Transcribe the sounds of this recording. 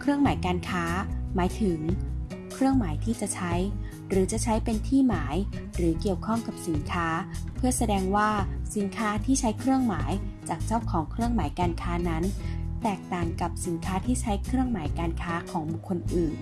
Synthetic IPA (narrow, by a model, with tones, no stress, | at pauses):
kʰɾɯ˥˩əŋmaː˩˦jkaː˧nkʰaː˦˥maː˩˦jt̪ʰɯ˩˦ŋ | kʰɾɯ˥˩əŋmaː˩˦jt̪ʰiː˥˩t͡ɕa˨˩ʔt͡ɕʰa˦˥j | ɾɯː˩˦t͡ɕa˨˩t͡ɕʰa˦˥jpe˧nt̪ʰiː˥˩maː˩˦jɾɯː˨˩˦ki˨˩əwkʰɔ˥˩ŋka˨˩p̚si˩˦nkʰaː˦˥pʰɯ˥˩əsa˧dɛː˧ŋwaː˥˩si˩˦nkʰaː˦˥t̪ʰiː˥˩t͡ɕʰa˦˥jkʰɾɯ˥˩əŋmaː˩˦jt͡ɕaː˨˩k̚t͡ɕa˥˩wkʰɔː˩˦ŋkʰɾɯ˥˩əŋmaː˩˦jkaː˧nkʰaː˦˥na˦˥nt̪ɛː˨˩k̚t̪aː˨˩ŋka˨˩p̚si˩˦nkʰaː˦˥t̪ʰiː˥˩t͡ɕʰa˦˥jkʰɾɯ˥˩əŋmaː˩˦jkaː˧nkʰaː˦˥kʰɔː˨˩˦ŋbu˨˩kʰːo˧nʔɯː˨˩n